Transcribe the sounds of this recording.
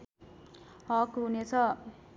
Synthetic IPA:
ɦʌkɦunet͡sʰʌ

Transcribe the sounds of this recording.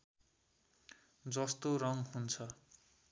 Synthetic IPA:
d͡zʌst̪orʌŋhunt͡sʰʌ

